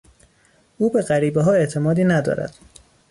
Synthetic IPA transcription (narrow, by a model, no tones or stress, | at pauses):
ʔuːbe̞ɢæɾiːbeɦɒːe̞ʔt̪ʰe̞mɒːd̪iːnæd̪ɒ̰ːɾæ̰d̪̥